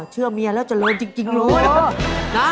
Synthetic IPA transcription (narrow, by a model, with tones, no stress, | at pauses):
t͡ɕʰɯ˥˩əmi˧˥ɐlɛː˦˥wt͡ɕa˨˩lɤː˧nt͡ɕi˧ŋt͡ɕi˧ŋɾuː˦˥ | na˦˥